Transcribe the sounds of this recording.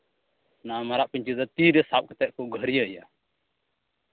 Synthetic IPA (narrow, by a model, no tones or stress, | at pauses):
namaɾaʔpiɲt͡ʃizat̪iɾɛsap̚kɛt̪ɛʔ̚kɔɡəɦɾijaəja